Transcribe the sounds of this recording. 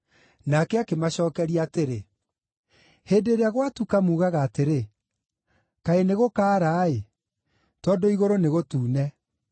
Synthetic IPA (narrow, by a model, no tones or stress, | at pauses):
nakɛakemaɕɔːkɛɾiateɾe | heːdeɾeaɣwatukamuːɣaɣaːteɾe | kaeneɣokaːɾaːe | tɔːdoiɣoɾoneɣotuːnɛ